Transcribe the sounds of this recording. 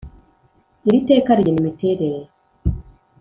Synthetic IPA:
iɾite̞ːkaɾijenimite̞ːɾeɾeɾo

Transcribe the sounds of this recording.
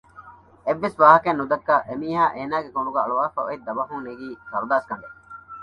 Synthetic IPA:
eʋːesʋaːɦɐkenːud̪ɐkːaʔemiːɦaːʔeːnaːɡekoɳɖuɡæɐɭuʋaːfɐ̰ʔɐ̰id̪ːɐbɐɦuŋneɡiːkɐɾud̪aːskɐŋɖe

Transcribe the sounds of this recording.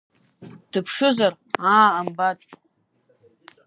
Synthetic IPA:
d̥ɨpʰʂɨzar | aːmbatʼ

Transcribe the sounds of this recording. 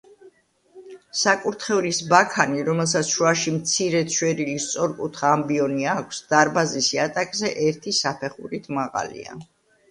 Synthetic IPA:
sakʼuɾt̪ʰχɛulisbakʰaniɾɔmɛlˠs̬at̪sʰʃwaʃimt̪sʰiɾɛt̪sʰwɛɾilist̪sʼɔɾkʼut̪ʰχaːmbiɔniakʷʰsd̪̥aɾbazisiat̪ʼakʼzɛʔɛɾt̪ʰisapʰɛχṵɾit̪ʰmaʁa̰lḭa̰

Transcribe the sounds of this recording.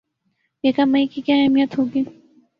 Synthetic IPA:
jekamɐikikjaːɛːmijət̪ɦoːɡiː

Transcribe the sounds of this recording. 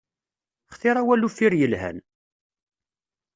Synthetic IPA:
χθiɾˤæwælːufːiɾjəlhæ̰n

